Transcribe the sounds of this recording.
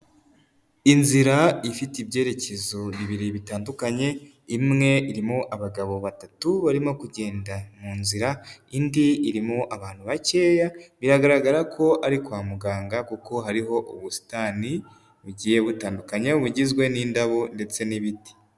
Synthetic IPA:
inziɾaifitibje̞ːɾe̞ce̞zo̞βiβiɾiβitaːndukaɲe̞ | imŋe̞iɾimoʔaβaɡaβo̞βatatuβaɾimo̞kuɟe̞ːndamuːnziɾaindiiɾimoʔaβaːn̥huβace̞ːjaβiɾaɡaɾaɡaɾakʰo̞ʔaɾikwaːmuɡaːŋɡakuko̞ɦaɾiɦo̞ʔuβusi̥tani | βuɟiːje̞βutaːndukaɲeuβuɟizɡwe̞niːndaβo̞nde̞t͡se̞niβiti̥

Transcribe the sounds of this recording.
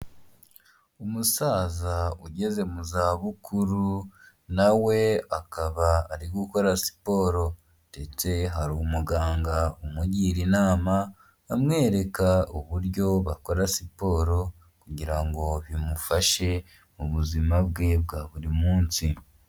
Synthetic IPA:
umusaːzauɟe̞ze̞muzaːβukʰuɾu | nawe̞akaβaːɾiɡuko̞ɾasi̥po̞ːɾo̞ | de̞t͡se̞ɦaɾuumuɡaːŋɡaumuɟiːɾinaːma | amŋe̞ːɾe̞kauβuɾɟo̞βako̞ɾasipo̞ːɾo̞ | kuɟiɾaŋɡo̞βimufaʃe̞ | muβuzimabɡe̞bɡaːβuɾimuːnsi

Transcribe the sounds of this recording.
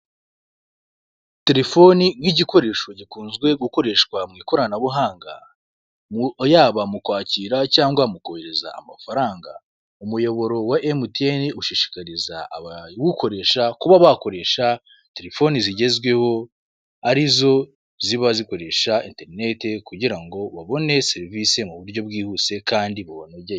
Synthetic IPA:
te̞ɾe̞fo̞niŋiɟiko̞ɾe̞ːʃo̞ɟikuːnzɡwe̞ɡuko̞ɾe̞ːʃkwamŋiːko̞ɾanaβuɦaːŋɡa̰ | mujaːβamukwaːciɾacaːŋɡwamukoheɾeza̰ːmafaɾaːŋɡa̰ | umujo̞βo̞ɾo̞waʔemuteniuʃiʃi̥kaɾiza̰βwuko̞ɾe̞ːʃakuβaβako̞ɾe̞ʃa | te̞ɾe̞fo̞niziɟe̞zɡwe̞ho̞ | aɾizo̞ | ziβaziko̞ɾe̞ʃainte̞ɾine̞te̞kuɟiɾaŋɡo̞βaβo̞ne̞se̞ɾivise̞muβuɾɟo̞bɡiːhuːse̞kaːndiβuβonoɟe

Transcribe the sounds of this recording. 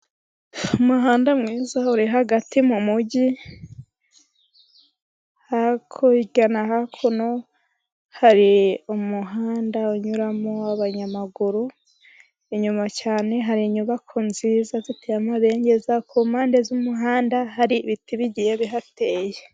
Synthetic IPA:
umuɦaːndamŋiːzauɾiɦaɡatimumuɟi | hakʰoiɟanaɦakʰuno | haɾiumuɦaːndauɲuɾamoaβaɲamaɡuɾu | iɲumacaːne̞ɦaɾiɲuβakʰunziːzazitejamaβe̞ːɲɟe̞zakʰumaːnde̞zumuɦaːndaɦaɾiβitiβiɟijeβiɦate̞ːje

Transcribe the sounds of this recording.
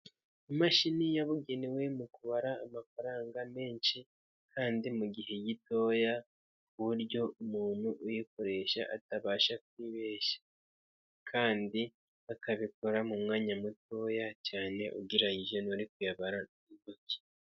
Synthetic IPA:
imaʃinijaβuɡe̞newe̞mukuβaɾaːmafaɾaːŋɡame̞ːnʃi | kʰaːndimuɡiɦe̞jito̞ːja | kuβuɾjo̞umuːn̥huʔujiko̞ɾe̞ʃa̰ʔataβaːʃak̚uwiβeːʃḁ | kʰaːndi | akaβikoɾamumŋaːɲamuto̞ːjacaːne̞̰ʔuɡiɾaɲiʒenuuɾikujaβaɾa | imboci̥

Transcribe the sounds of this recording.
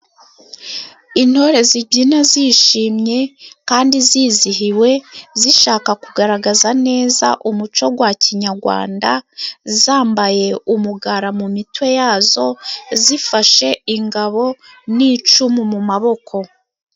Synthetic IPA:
in̥ho̞ːɾe̞ziɟinaziʃiːmɲe̞kaːndiziːziɦiwe̞ziʃaːkakuɡaɾaɡazane̞ːza̰ʔumut͡ʃo̞ɡwaciɲaɾɡwa̰ːndazaːmbaje̞umuɡaɾamumitwe̞jaːzo̞zifaʃe̞iŋɡaβo̞ | niːt͡ʃumumumaβo̞kʰo̞

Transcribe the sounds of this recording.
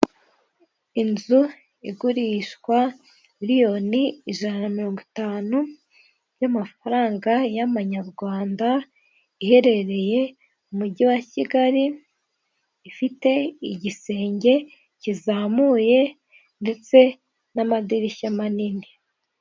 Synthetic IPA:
inzu | iɡuɾiʃkwa | miɾijo̞niiʒanamiɾo̞ːŋɡuitaːnu | jamafaɾaːŋɡajamaɲaɾɡwaːnda | ihe̞ɾe̞ɾe̞je̞ | umuɟiwaciɡaɾi | fite̞iɟise̞ːɲɟe̞ | cizaːmuje̞ | nde̞t͡se̞ | namadiɾicamanini

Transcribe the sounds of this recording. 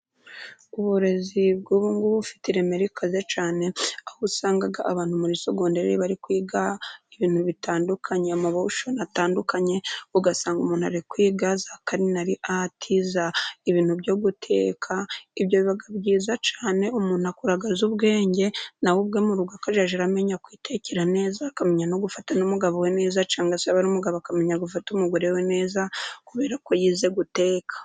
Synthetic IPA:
uβuɾe̞zib̚ɡuβuŋɡuβufi̥tiɾe̞meɾikʰazet͡ʃaːne̞ahusaːŋɡaɡaʔaβaːnhumuɾiso̞ɡo̞ːndeɾeɾiβaɾikwiːɡaiβiːn̥huβitʰaːndukʰaɲeamaβauʃonataːndukʰaɲe̞uɡasaːŋɡumuːnhuaɾikwiːɡazakaɾinaɾiʔatʰizaiβiːn̥huβɟoɡutʰe̞̰ːkʰaiβɟoβiβaɡabɟiːzat͡ʃaːne̞umuːnuakuɾaɡazuβɡe̞ːɲɟe̞nawub̚ɡe̞muɾuɡakaʒaʒeɾame̞ɲakwiːte̞ceɾane̞ːzakameɲanoɡufatanumuɡaβowene̞ːzat͡ʃaːŋɡasaβaɾumuɡaβoakameɲaɡufatumuɡoɾewene̞ːzakuβe̞ːɾakojiːze̞ɡute̞ːkʰḁ

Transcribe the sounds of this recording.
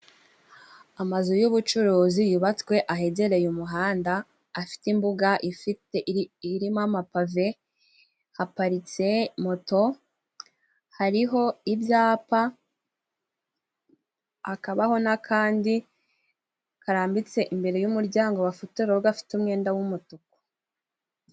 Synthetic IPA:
amazujuβut͡ʃuɾuːzijuβat͡skwe̞ʔaɦe̞ɟe̞ɾe̞jumuɦaːndaː | fi̥timbuɡaʔifiteiɾimamapave̞ | hapaɾit͡se̞mo̞to̞ | haɾiɦo̞ibjaːpa | akaβaho̞nakʰaːndi | kaɾaːmbit͡se̞ʔimbe̞ɾe̞jumuɾɟaːŋɡo̞βafuteɾoɡafi̥tumŋe̞ːndawumutuko̥

